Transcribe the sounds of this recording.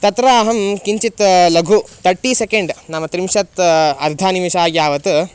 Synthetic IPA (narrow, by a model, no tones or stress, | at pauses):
t̪ɐt̪ɾaːɦɐmkiɲt͡ʃit̪lɐɡʱut̪ʰɐɾʈːiːsekeɳɖnamɐt̪ɾimʃɐt̪ɐɾd̪ʱaːnimiʃaːɡjaːʋɐt̪u